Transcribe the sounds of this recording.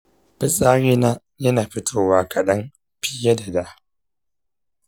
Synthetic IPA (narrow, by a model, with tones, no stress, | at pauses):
bɪ˦sʼaː˦ɽiː˦na˦ | jɐ˦naː˨ɸɪ˦tʰoː˦waː˦kʰɐ˨ɗɐ˦m | ɸɪ˦ja˦da˨da˦